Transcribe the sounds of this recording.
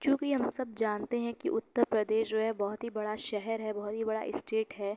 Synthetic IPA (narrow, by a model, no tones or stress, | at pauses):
kjõːkiɦɐmsɐb̚d͡ʒaːnt̪eɦɛ̃kḭʔʊt̪ːəɾpɾɐd̪eːʃd͡ʒoːɦɛ̃bɐɦʊt̪ɦibɐɽaʃɛɦɛɾɦɛbɐɦʊt̪ɦibɐɽa̰ʔɪsʈeːʈɦɛː